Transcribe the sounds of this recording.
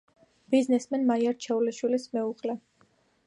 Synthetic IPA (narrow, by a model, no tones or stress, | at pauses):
b̥iznɛsmɛnmaiaɾt͡ʃʰɛuliʃwilismɛuqʼlɛ